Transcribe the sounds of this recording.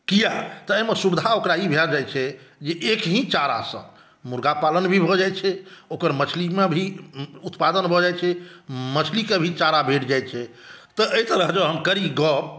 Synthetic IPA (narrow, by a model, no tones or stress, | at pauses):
kijat̪ɔːmesubd̪ʱaokɾaibʱeɾd͡ʒajt͡ʃʰɛd͡ʒeʔekɦĩt͡ʃaɾa̰sə̰̃ | muɾɡapalənbʱibʱɔd͡ʒajt͡ʃʰɛokəɾmət͡ʃʰlimebʱiut̪pad̪ənbʱɔd͡ʒajt͡ʃʰɛmət͡ʃʰlikebʱit͡ʃaɾabʱeʈd͡ʒajt͡ʃʰɛ | t̪ɔʔəjt̪əɾəɦd͡ʒəwɦəmkəɾiɡɔ